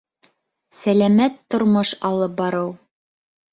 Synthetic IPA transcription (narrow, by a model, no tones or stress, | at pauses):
sælæmæt̪ːŏɾmoʃɑlˠɤp̚bɑɾɤw